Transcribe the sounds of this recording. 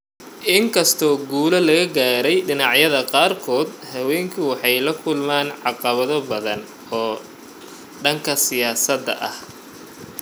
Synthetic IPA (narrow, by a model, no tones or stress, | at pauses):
ʔɪŋkʰɐst̪ʰɔːɡuːlɐlɐɣɐɡaːɾɛjɖɪnɑʕjɐðɐqɑːrkʰɔːd̪hɐwɛːŋkʰʊwɑħɑjlɐkʰʊlmaːnʕɑqɑβɐðɔbɐðɐn | ɔː | ɖɐŋkʰɐsɪjaːsɐd̪ːɐ̰ʔɐ̰h